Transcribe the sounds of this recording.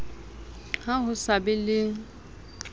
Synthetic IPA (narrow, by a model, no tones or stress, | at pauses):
haɦʊsabɪlɪ